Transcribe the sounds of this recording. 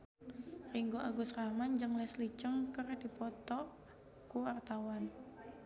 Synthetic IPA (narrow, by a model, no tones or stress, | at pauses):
riŋɡoʔaɡusramand͡ʒɨŋlɛslit͡ʃəŋkərdipɔt̪ɔ | kuart̪awan